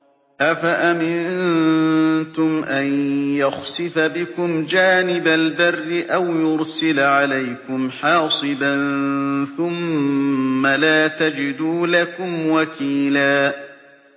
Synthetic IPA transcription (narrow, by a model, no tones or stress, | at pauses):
ʔafaʔamɪn | t̪ʊmʔanjaxsɪfabɪkʊmd͡ʒaːnɪbalbarːɪʔawjʊɾsɪlʕalajkʊmħɑːsˤɨbanθʊmː | alaːt̪ad͡ʒɪd̪uːlakʊmwakiːlaː